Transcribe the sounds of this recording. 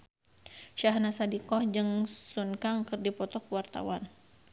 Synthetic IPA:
ʃaɦnasadikɔhd͡ʒɨŋsunkaŋkɨrdipɔt̪ɔkuwart̪a̰wan

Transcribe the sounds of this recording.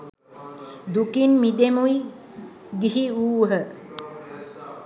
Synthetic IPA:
d̪ukinmid̪emuji | ɡiɦiuːɦə

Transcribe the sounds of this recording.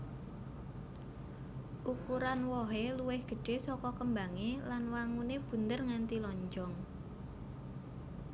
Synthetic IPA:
ʔukuɾanwɔɦeluwɪhɡ̥ə̤ɖ̥e̤sɔkɔkəmbaŋelanwaŋuneb̥ṳnd̪ərŋant̪ilɔɲd͡ʒɔŋ

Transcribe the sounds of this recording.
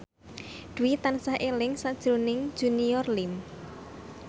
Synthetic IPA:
d̪̥ṳwit̪ansahʔelɪŋsad̥ʒ̥ɾo̤nɪŋ̥ʒ̥uniɔrlɪm

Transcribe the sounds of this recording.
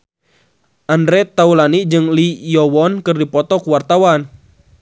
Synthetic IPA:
ʔandɾɛt̪aulanid͡ʒɨŋlijɔwɔnkɨrdipɔt̪ɔkuwart̪awan

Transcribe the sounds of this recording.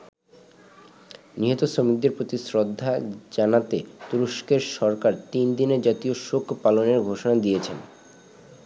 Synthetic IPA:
niɦot̪osomik̚d̪eɾpɾot̪isɾod̪ʱːad͡ʑanat̪et̪uɾoʃkeɾʃɔɾkaɾt̪ind̪ined͡ʑat̪ioʃokʰpaloneɾɡʱoʃonad̪ijet͡ɕʰen

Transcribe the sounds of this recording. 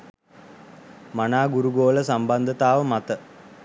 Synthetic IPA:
manaːɡuɾuɡoːləsambɐnd̪ʱət̪aːʋəmat̪ə

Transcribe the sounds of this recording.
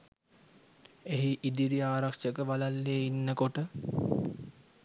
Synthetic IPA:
eɦiʔid̪iɾiaːɾakʂəkəʋalalːeːinːəkoʈə

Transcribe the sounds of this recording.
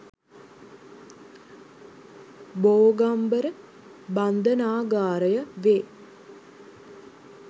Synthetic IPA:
boːɡambəɾə | band̪ənaːɡaːɾəjəʋeː

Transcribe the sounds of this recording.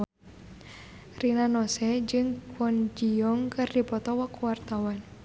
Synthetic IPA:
rinanɔsɛd͡ʒɨŋkwɔnd͡ʒiɔŋkɨrdipɔt̪ɔwakuwart̪awan

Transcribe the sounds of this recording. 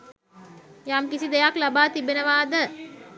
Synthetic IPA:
jamkisid̪ejaklabaːt̪ibenəʋaːd̪ə

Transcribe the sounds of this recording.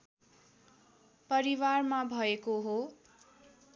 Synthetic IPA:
pʌɾiwarmabʱʌekoɦo

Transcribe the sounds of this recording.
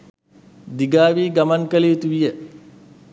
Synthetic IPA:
d̪iɡaːʋiːɡɐmɐŋkɐliut̪uʋije

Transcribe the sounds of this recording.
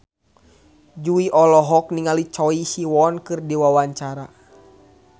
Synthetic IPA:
d͡ʒuiʔɔlɔɦɔk̚niŋalit͡ʃɔisiwɔnkɨrdiwawaɲt͡ʃaɾa

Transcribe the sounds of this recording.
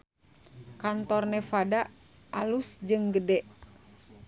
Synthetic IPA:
kant̪ɔrnɛfada | ʔalusd͡ʒɨŋɡədɛʔ

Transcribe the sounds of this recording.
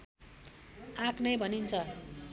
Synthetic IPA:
aknʌjbʱʌnint͡sʰʌ

